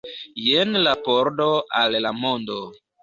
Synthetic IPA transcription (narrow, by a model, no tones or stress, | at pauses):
jenlapoɾdoalːamondo